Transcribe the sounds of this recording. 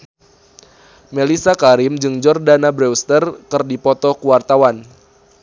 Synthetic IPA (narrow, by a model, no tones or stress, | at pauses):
melisakaɾimd͡ʒɨŋd͡ʒɔrdanabɾɛwst̪ərkɨrdipɔt̪ɔkuwart̪awan